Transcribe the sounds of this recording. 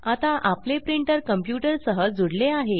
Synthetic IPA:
at̪aʔaplepɾiɳʈəɾkəmpjuʈəɾsəɦəd͡zuɽleaɦe

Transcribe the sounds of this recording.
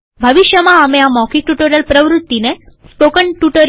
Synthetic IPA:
bʱəʋiɕjəmaːmjamɔkik̚ʈuʈoɾjəlpɾəʋɾut̪ːinespokəɳʈuʈəɾ

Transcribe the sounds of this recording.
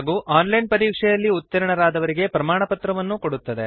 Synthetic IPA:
ɡuːʔaːnlɐjnpɐɾiːkʂɛjɐlːiut̪ːɐɾɐɳɐɾaːd̪ɐʋɐɾiɡe̞pɾɐmaːɳɐpɐt̪ɾɐʋɐnːukoɽut̪ːɐd̪e̞

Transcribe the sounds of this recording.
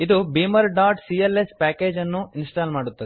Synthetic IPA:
id̪ubiːmɐɾɖaːɾʈsiːelespaːkeːd͡ʒɐnːuinsʈaːlmaːɽut̪ːɐd̪e

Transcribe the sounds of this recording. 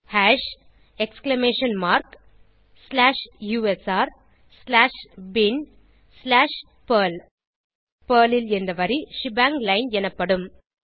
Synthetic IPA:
haːʂ | ɛksklɐmeːʂɐnmaːɾk | slaːʂjuːɛsaːɾ | slaːʂbɪn | slaːʂ | pɐːl | pɐːlɪlɛnd̪ɐʋɐɾiʂɪbaːŋɡlɐɪnɛnɐpːɐɽɯm

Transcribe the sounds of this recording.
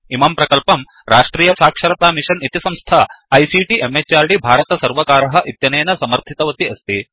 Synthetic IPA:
imaːmpɾɐkɐlpɐm | ɾaːʂʈɾiːjɐsaːkʂɐɾɐt̪aːmiʂɐnit̪isɐmst̪ʰaɐjsiʈiʔemet͡ʃaːɾɖibʱaːɾɐt̪ɐsɐɾʋɐkaːɾɐɦɐ̆ʔit̪jɐneːnɐsɐmɐɾt̪ʰit̪ɐʋɐt̪iɐst̪i

